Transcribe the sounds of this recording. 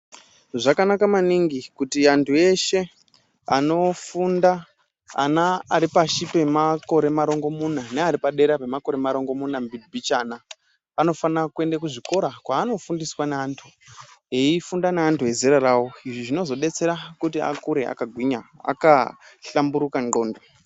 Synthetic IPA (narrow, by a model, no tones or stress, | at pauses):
ʐakanakamaniŋɡikutiantʰue̞ʃe̞ | ano̞funda | a̰naːɾipaʃipe̞mako̞ɾe̞maɾo̞ŋɡo̞munaneaɾipaɗe̞ɾape̞mako̞ɾe̞maɾo̞ŋɡo̞munambibʱit͡ʃaːnaː | no̞fanakue̞ndekuʐiko̞ɾakwaːno̞fundiswaneaːntʰu | eifundaneantʰuɦe̞zeɾaɾawo̞iʐiʐino̞zo̞ɗe̞t͡se̞ɾakutia̰kuɾe̞ʔa̰kaɡʱwiɲaa̰kaɬambuɾukaŋo̞ːndo